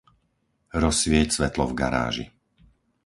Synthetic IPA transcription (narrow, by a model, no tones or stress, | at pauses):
ɾɔsʋɪɛcsʋɛt̪lɔvɡa̰ɾa̰ːʒḭ